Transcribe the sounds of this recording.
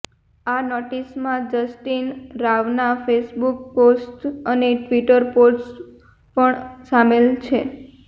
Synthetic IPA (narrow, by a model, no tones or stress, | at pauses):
anɔʈismãd͡ʒəsʈinɾaʋnafesbuk̚posʈəneʈʋiʈəɾpoɖs | pəɳsamelt͡ʃʰe